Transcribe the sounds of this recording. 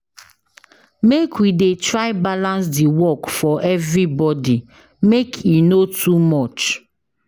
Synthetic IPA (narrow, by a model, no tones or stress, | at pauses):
mekʰwidetɹaɪbalãns̬diwɔkfɔʔɛvɹibɔdi | mekʰinotʰumɔt͡ʃ